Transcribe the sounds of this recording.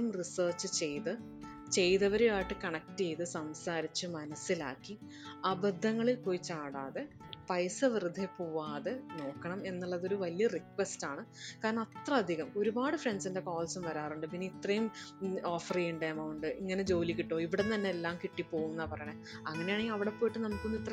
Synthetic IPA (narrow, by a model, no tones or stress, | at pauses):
umrisɐːrt͡ɕːɨt͡ɕe̞jt̪ɨ | t͡ɕe̞jðɐʋɐɾujaːjiʈːɨkɐɳɐk̚tejt̪ɨsɐmsaːɾit͡ɕːɨmɐnɐsːila̰ːkːi | ɐbɐd̪ʱːɐŋːɐɭilpoːjit͡ɕaːɽaːðe | pɐjsɐʋirɨd̪ʱːepoːʋaːðeno̞ːkːɐɳɐme̞nːuɭːɐðoɾuʋɐlijɐrikʋestaːɳɨkaːɾɐɳɐmɐt̪rɐɐd̪ʱiɣɐmo̞ɾubaːɽɨfreɳɖsinde̞koːlsumʋɐɾaːruɳɖɨpinːiit̪rɐjumo̞ːfɐriuɳɖeɐmɐwuɳɖɨʔiŋːɐne̞d͡ʑo̞ːlikʲːiʈːo̞ːiʋiɽent̪ɐnːeelːaːmkiʈːipːo̞ːɣunːɐpɐrɐjɐɳe | ɐŋːɐne̞jaːɳeŋiɐʋiɽe̞pːo̞ːjiʈːɨnɐmukːonːuit̪ːrɐ